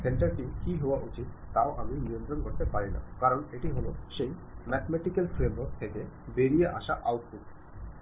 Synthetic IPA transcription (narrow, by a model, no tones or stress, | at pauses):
seɳʈaɾʈimkiɦowaʔut͡ɕit̪̚ːaoʔaminijõnt̪ɾonkoɾt̪epaɾina̰kaɾoneʈiɦoloʃejmɛt̪ʰmɛʈikalfɾemoɾk̚t̪ʰeke | beɾijeʔa̰ʃaʔawʈ̚puʈ̚